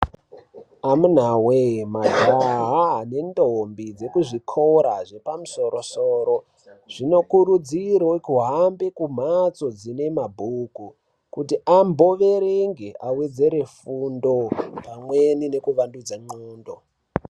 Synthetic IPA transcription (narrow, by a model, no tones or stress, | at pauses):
amun̤awemataɦaane̞ndombid͡ze̞kuʐikʰo̞ɾaʐe̞pamuso̞ɾo̞soːɾo̞ | ʐ̥ino̞kuɾud͡ziɾokuɦambe̞kum̤at͡so̞d͡zine̞mabʱuku | kutiʔambo̞ʋe̞ɾeŋɡeʔawe̞d͡ze̞ɾe̞fundo̞pamwenine̞kuʋandud͡zaŋ͡ǃuːndo̞̰